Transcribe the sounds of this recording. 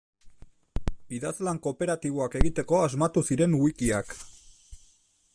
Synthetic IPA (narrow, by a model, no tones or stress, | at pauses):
biðazlaŋko̞pe̞ɾat̪iβ̞oake̞ɣit̪e̞ko̞azmat̪usiɾe̞nuikiak